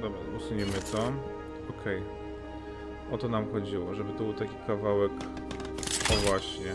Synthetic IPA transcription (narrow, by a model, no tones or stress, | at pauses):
d̪ɔbʐausuɲimɘt̪sɔ | ɔkʰɛj | ʔɔt̪ɔnamxɔd͡ʑiwɔʐɛbɘt̪ɔbɘwt̪akʲikavawɛk̪ | ɔvwaɕɲɛ